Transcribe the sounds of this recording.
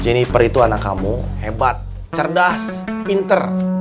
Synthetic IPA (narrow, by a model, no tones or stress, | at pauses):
d͡ʒɛnipərit̪uanakːamuhebat̪̚ | t͡ʃərdas | pint̪ər